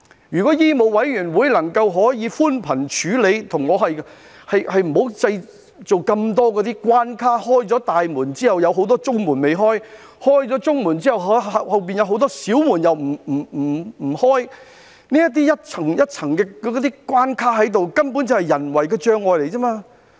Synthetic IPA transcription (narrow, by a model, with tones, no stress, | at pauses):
jyː˨˩kɔ˨˥jiː˥mo˨wɐ˨˥jɥyː˨˩nwuː˨˧jlɐ˨˩ŋkɐ˧wɦɔː˨˥jiː˨˧fuː˥npʰɐ˨˩nt͡ʃʰyː˨˥le˨˧jt̪ʰʊ˨˩ŋːɔː˨˧ɦɐ˨j | hɐ˨jhɐ˨jm̩˨˩ho˨˥wt͡sɐ˧j | t͡so˨wkɐ˧mt̪ɔː˥kɔː˨˧˥t̪iː˥kwaː˥nkʰaː˥hɔː˥jt͡sɔː˨˥t̪aː˨jmuː˨˩nt͡siː˥hɐ˨wjɐ˨˧wɦo˨˥wt̪̬ɔː˥t͡sʊ˥ŋmuː˨˩nme˨jɦɔː˥j | hɔː˥jt͡sɔː˨˥t͡sʊ˥ŋmuː˨˩nt͡siː˥hɐ˨˩wɦhɐ˨hɐ˨wp̬iː˨njɐ˨˧wɦo˨˥wt̪̬ɔː˥siː˨˥wmuː˨˩njɐ˨wm̩˨˩m̩˨˩m̩˨˩m̩˨˩hɔː˥j | niː˥jɐ˥t̪̬̚iː˥jɐ˥t̚t͡sʰɐ˨˩ŋjɐ˥t̚t͡sʰɐ˨˩ŋkɛː˧kːt̪̬iː˥kwaː˥nkʰaː˥ɦɐ˨˥jt̪̬o˨wkɐ˥npuː˨˥nt͡sɐ˨whɐ˨˩jɐ˨˩nwɐ˨˩jkɛː˧t͡ʃœː˧ŋɔː˨jle˨˩jt͡sɛː˥maː˧